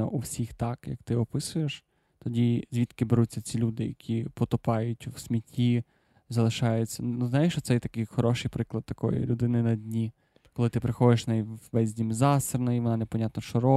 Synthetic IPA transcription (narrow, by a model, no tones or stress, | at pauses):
ɔʔuwsʲixt̪ɑkjɐ̰k̚t̪ɪɔpɪsʊjeʃ | t̪ɔdʲizʲʋʲit̪kɪbeɾut̚ʲt͡sʲːɐt͡sʲilʲud̪ɪjɐ̰kʲʰipɔt̪ʊpɑjʊtʲwsʲmʲitʲːi | zɐlˠɪʃɑjʊt͡sʲːɐnnuznjɪʃt͡ʃɔt̪sɛjt̪ɐkɪjxɔɾɔʃɪjpɾɪklˠɐd̪̚t̪ɐkɔ̰jḭlʲʊd̪ɪnɪnɐdʲnʲi | kɔlˠɪt̪ɪpɾɪxɔd̪ɪʃnɛjʋɛzʲdʲimzɑsɪrnɔjiʋɔnɑnepɔnʲat̪nɔʃt͡ʃɔɾɔ